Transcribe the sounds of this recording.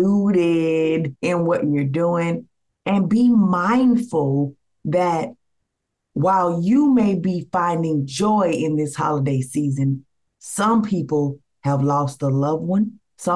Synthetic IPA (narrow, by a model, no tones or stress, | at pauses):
uɾɪɾɪ̃nwʌt͡ʃə˞duɪ̃ŋ | ɨ̃nbimãɪ̃nd̥fl̩ˠ | ðɨt̚ | waɪlˠjɨmeɪbifãɪ̃ndɪ̃ŋd͡ʒɔɪʔɪ̃nðɪshɑ̰lˠədeɪsizɨ̃n | sʌ̃mpʰipl̩ˠ | əvlɔst̪̚ðəlʌvwʌ̃n | sʌ̃